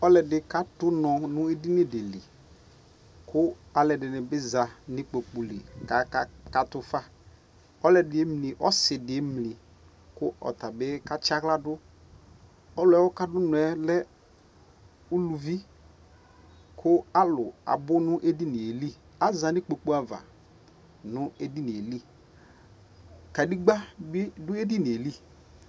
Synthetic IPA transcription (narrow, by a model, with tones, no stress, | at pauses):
ɔ˦lɛ˨dɪ˨ka˦tʊ˦nɔ˨nʊ̃˦e˦di˦nɪ˦de˨lḭ˨ | kʰʊ˦a˨lɛ˨dɪ˨nɪ˨bɪ˦za˨nɪ˦k͡po˨k͡pu˨lḭ˨ka˨˦ka˨tʊ˨fa˦ | ɔ˦lɛ˨dɪ˨e˦mli˨ʔɔ˦sɪ˨dɪ˨˦mli˨ | kʊ˦ʔɔ̰˨ta˨bɪ˦ka˦t͡ʃa˦kla˦dʊ˦ | ɔ˦lʊ˨ɛ˨˦wɔ˦ka˦dʊ˦nʊ˨ɛ˨lɛ˦ | u˦lu˨vi˦ | kʰʊ˦a˦lʊ˨a̰˨bʊ˦nʊ˦ʔe˦di˦ni˨e˨li˦ | a˦za˨nɪ˦k͡po˨k͡pu˦a˨va̰˨ | nʊ˦e˦di˦ni˨e˨li˦˨ | ka˨di˦ɡ͡ba˦bɪ˦dʊ˦e˦di˦ni˨e˨li˦˨